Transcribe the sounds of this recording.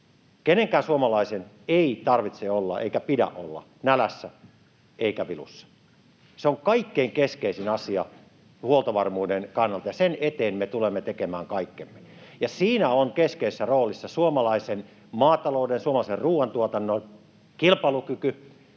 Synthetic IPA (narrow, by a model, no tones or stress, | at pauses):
keneŋkæːnsuomɑlɑisen | eit̪ɑrʋit̪seolːɑ̰ʔḛikæpidæ̰ʔʔo̰lːɑ̰ | nælæsːæ | eikæʋilṵsːɑ̥ | seoŋkɑikːeiŋkeskeisinɑsiɑ | huolt̪ɑʋɑrmuːdenkɑnːɑlt̪ɑjɑsenet̪eːnmet̪ulemːet̪ekemæːŋkɑikːemːejɑsiːnæoŋkeskeisesːæroːlisːɑsuomɑlɑisen | mɑːt̪ɑloˑudensuomɑlɑiserruːwɑnt̪uot̪ɑnːon | kilpɑlukyky